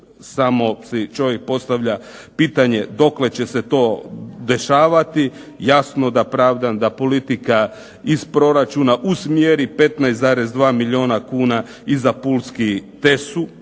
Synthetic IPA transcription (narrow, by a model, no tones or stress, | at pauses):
samo̞sit͡ʃo̞ʋjek̚po̞st̪aʋʎapiːt̪aɲe̞d̪o̞kle̞t͡ɕe̞se̞t̪o̞ːd̪e̞ʃaːʋat̪i | jasno̞d̪apɾaːʋd̪and̪apo̞lit̪ika | ispɾo̞ɾat͡ʃunaʔusmjeɾipe̞t̪najszaɾe̞zd̪ʋaːmiʎio̞ːnakuːna | izapulskit̪e̞su